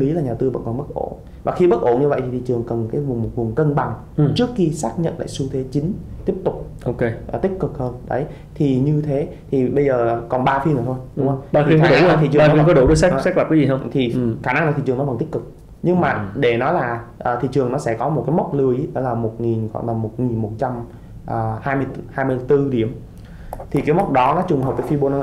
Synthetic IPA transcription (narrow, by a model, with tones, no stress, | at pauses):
li˨˦laː˨˩ɲaː˨˩t̪ɨ˧və̰˧˥nkɔ˨˩nɓə˦˥t̚ʔo̰˧˩n | vaː˨˩xi˧ɓə˦˥t̚ʔo˧˩nɲɨ˧və̰˧˨jt̪ʰi˨˩t̪i˨˩t͡ɕɨ˨˩əŋkə˨˩nkaː˨˦jvʊ˨˩ŋ͡mmo˨˩t̚vʊ˨˩ŋ͡mkə˧nɓa˨˩ŋ˨ | t͡ɕɨ˦˥əkxi˧saː˦˥k̚ɲə̰˧˨nla̰ː˧˨jsu˧t̪ʰe˨˦t͡ɕi˨˦ŋt̪i˦˥əp̚t̪ʊ˨˩k͡p̚ | ʔo˧˨ke˧˨˩t̪ï˦˥k̚kɨ˨˩k̚həː˧nɗə̰˨˦j | t̪ʰi˨˩ɲɨ˧t̪ʰe˨˦t̪ʰi˨˩ɓə˧jzəː˨˩˨kɔ˨˩nɓaː˧fi˧nə˨˩t̪ʰo˧jɗʊ˨˦hə˧wa˧˩˨i˧˩xaɔ˦˧˩a˧˨˩i˧˨t͡ɕa˧˩n˨i˧kɔ˨˦ɗo̰˧˩˦ɗo˧˦sa˦˥sa˦˥k̚lə˨˩p̚kːa˨˦zi˨˩ə˧wt̪ʰi˨˩xaː˧˩na˧ŋna˨˩t̪i˨t͡ɕɨ˨˩nɔ˦və˧˩nt̪i˦˥kɨ˨˩k̚ | ɲɨ˧ŋmaː˨˩ɗe˧˩nɔ˨˦jlaː˨˩ʔəː˨˩t̪ʰḭ˧˨t͡ɕɨ˨˩əŋnɔ˨˦sɛ̰˧˥˩kɔ˨˦mo˨˩t̚ka˨˦mə˦˥k͡p̚lɨ˧˩əjʔʔə˧˩laː˨˩mo˨˩t̚ŋi˨˩nkwa̰˧˩na˨˩mmo˨˩t̚ŋi˨˩nmo˨˩t̚t͡ɕa˧m | ʔəː˨˩haː˧jmɨ˧əhaː˧jmɨ˧t̪ɨ˧ɗi˧˩əm | t̪ʰi˨˩kaː˨˦jmə˦˥k͡p̚ɗɔ˨˦nɔ˨˦t͡ɕʊ˨˩ŋ͡mhɦə˨˩w̚ə˨˦fi˧ɓo˧nɔ˨˦˧